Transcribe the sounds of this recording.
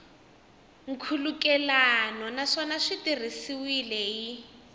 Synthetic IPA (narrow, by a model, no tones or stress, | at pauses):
ŋ̩kʰulukɛlanɔnaʂɔnaʂitir̤isiwilɛi